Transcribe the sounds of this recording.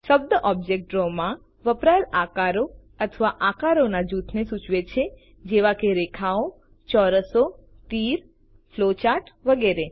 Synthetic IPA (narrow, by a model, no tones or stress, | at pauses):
ʃəb̚d̪əʔɔb̚d͡ʒek̚ʈɾomã | ʋəpɾaɾakaɾo | ət̪ʰəʋaʔakaɾonad͡ʒut̪ʰnesut͡ʃʋet͡ʃʰe | d͡ʒeʋakeɾekʰao | t͡ʃɔɾəso | t̪iɾ | flot͡ʃaʈʋəɡeɾe